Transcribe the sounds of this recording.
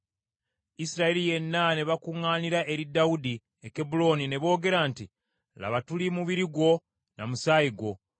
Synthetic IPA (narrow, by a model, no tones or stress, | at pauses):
isiɾaelije̞nːane̞βakuŋːaːniɾaʔe̞ɾidaudi | ekebulo̞ːnine̞βo̞ːɡe̞ɾanti | la̰βatulimuβiɾiɡwo̞ | na̰musaːjiɡwo̞